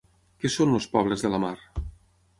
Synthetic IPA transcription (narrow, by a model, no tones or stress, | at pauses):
kesonləspɔβləzðələmaɾ